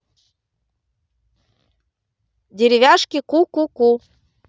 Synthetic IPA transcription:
dʲeɾʲɪvʲaʂkʲikukuku

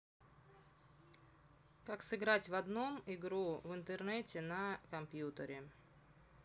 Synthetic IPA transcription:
kaksɨɡɾatʲvɐd̪no̞mɪɡɾuvɨnt̪ɨrnɛtʲɪnɐkɐmpʲjut̪əɾʲɪ

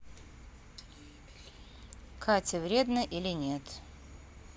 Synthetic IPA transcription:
kʰatʲɪvɾʲe̞d̪nəʔilʲɪnʲe̞t̪

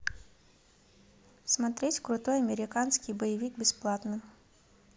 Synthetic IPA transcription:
smat̪ɾʲɛt͡sʲkɾʊt̪ɔjɐmʲɛɾʲɪkansʲkʲijbɐjivʲikbʲɛsplˠat̪nɨ

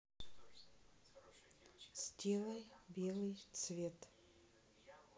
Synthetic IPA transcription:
sʲtʲelˠɐjbʲelˠɨjt̪svʲet̪

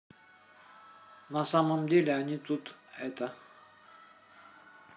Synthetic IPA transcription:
nasamamd̪ilænit̪ut̪ɛt̪a

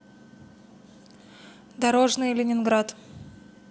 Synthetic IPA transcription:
d̪ɐɾo̞ʐnɨjlʲɪnʲɪnɡɾat̪

